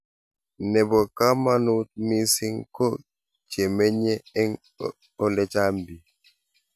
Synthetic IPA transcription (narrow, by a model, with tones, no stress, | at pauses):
nɛ˨bɔ˨ka˦ma˦nu˦t̚mi˦si˦ŋko˦ | t͡ʃe˨me˦ɲe˦ɛ˦ŋ | ɔ˦lɛ˦t͡ʃa˦mbi˨